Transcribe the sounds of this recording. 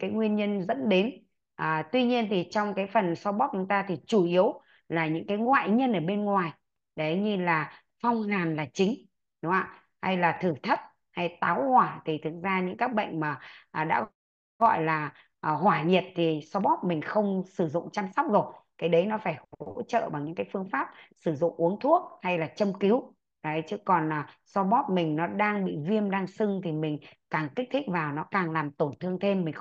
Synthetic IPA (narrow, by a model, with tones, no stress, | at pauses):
kaː˨˦jŋwi˧ənɲə˧nzə̰˧˥nɗe˨˦n | ʔəː˨˩t̪wi˧ɲi˧ənt̪ʰi˨˩t͡ɕɔ˧wŋ͡mkaː˨˦jfə˨˩nsɔ˧ɓɔ˦˥p̚t͡ɕʊ˨˦ŋ͡mt̪aː˧t̪ʰi˨˩t͡ɕu˧˩ʔi˨˦əw | laː˨˩ɲɨ̰˧˥ŋkaː˨˦jŋwa̰ː˧˨jɲə˧nʔəː˧˩ɓe˧nŋwaː˨˩j | ɗə˨˦ɲɨ˧laː˨˩ | fɔ˧wŋ͡mhaː˨˩nlaː˨˩t͡ɕï˨˦ŋ̟ | ɗʊ˨˦ŋ͡mʔaː˧˨ | ha̰˧jlaː˨˩t̪ʰɨ˧˩t̪ʰə˦˥t̚ | ha˧jt̪aː˨˦whwaː˧˩t̪ʰi˨˩t̪ʰɨ˨˩k̚zaː˧ɲɨ̰˧˥ŋkaː˦˥k̚ɓə̰˧˨jŋ̟maː˨˩ʔɗa̰ː˧˥ | ɣɔ̰˧˨jlaː˨˩ | ʔːɦwaː˧˩ɲi˨˩ət̚t̪ʰi˨˩sɔ˧ɓɔ˦˥p̚mï˨˩ŋ̟xə˧wŋ͡msɨ˧˩zʊ̰˧˨ŋ͡mt͡ɕaː˧msa˦˥wp̚k͡p̚zo˨˩t̚kaː˨˦jɗə˨˦jnɔ˨˦faː˧˩jho̰˧˥t͡ɕə̰ː˧˨vaː˨˩wɲɨ̰˧˥ŋkaː˨˦jfɨ˧əŋfaː˦˥p̚sɨ˧˩zʊ̰˧˨ŋ͡mʔu˨˦əŋt̪ʰu˦˥ək̚ha˧jlaː˨˩t͡ɕə˧mki˨˦w | za˨˦jt͡ɕɨ˨˦kɔ˨˩naː˨˩sɔ˧ɓɔ˦˥p̚mï˨˩ŋ̟nɔ˨˦ɗaː˧ŋɓḭ˧˨vi˧əmɗaː˧ŋsɨ˧ŋt̪ʰi˨˩mï˨˩ŋ̟kaː˨˩ŋki˦˥k̚t̪ʰi˦˥k̟̚vaː˨˩wnɔ˨˦kaː˨˩ŋlaː˨˩mt̪o˧˩nt̪ʰɨ˧əŋt̪ʰe˧mːï˨˩ŋ̟